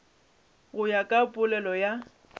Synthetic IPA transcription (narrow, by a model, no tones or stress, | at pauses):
ɣʊjakʼapʼʊlɛlɔja